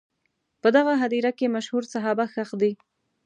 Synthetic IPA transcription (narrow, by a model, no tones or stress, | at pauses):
pəd̪aɣaɦad̪iɾakemaʃhuɾsaɦɑbaxaxd̪i